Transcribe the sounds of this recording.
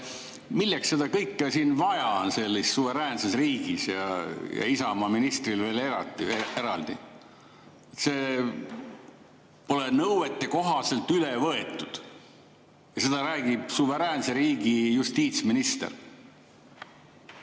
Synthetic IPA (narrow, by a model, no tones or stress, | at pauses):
milːeksːed̪ɑkɤjkːɑsiːnvɑjɑnse̞lːisːuve̞ɾæːnsesriːɡ̥isjɑ̰jɑ̰isɑmɑminist̪rilve̞ːleɾɑt̪ːiee̞ɾɑld̪̥i | se̞ː | po̞lenɤwe̞t̪ːˑe̞ko̞ɦɑselt̪ylevɤe̞t̪ːˑud̪̥ | jɑse̞d̪ɑɾæːɡ̥ib̥suve̞ɾæːnse̞ɾiːɡ̥ijust̪iːt̪sminist̪ḛr